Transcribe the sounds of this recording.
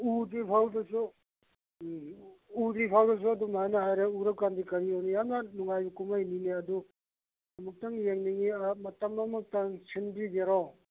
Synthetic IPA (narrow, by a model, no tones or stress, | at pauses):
udipʰawdɐsu | udipʰawdɐs̬uɐdumajnɐɦajɾeuɾɐk̚kandikɐɾiownijamnɐnuŋajbɐkumajnineɐdu | dɐmuk̚tɐŋjeŋniŋiamɐtɐmdamɐk̚tɐŋsʰinbɾid͡ʒeɾɔ